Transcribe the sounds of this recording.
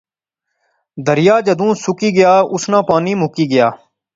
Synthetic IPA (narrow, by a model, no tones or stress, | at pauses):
d̪ʱəɾɪjaːd͡ʒəd̪ũːsʊkiːɡɪjaːʊsnãːpaːniːmʊkiːɡɪjaː